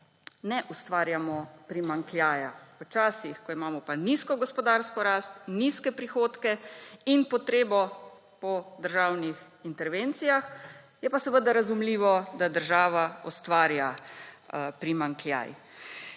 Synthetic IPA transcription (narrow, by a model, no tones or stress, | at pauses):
nɛʔust̪ʋaːɾjamɔpɾimaŋkljaːjaʋət͡ʃaːsixkɔimaːmɔpaniskɔɡɔspɔd̪aɾskɔɾaːst̪̚niskɛpɾixoːt̪kɛinpɔt̪ɾeːbɔ | pɔd̪əɾʒaːwnix | int̪ɛɾʋent̪sijax | jɛpasɛʋəd̪aɾazumliːʋɔd̪ad̪əɾʒaːʋaɔst̪ʋaːɾja | pɾimaŋklja̰j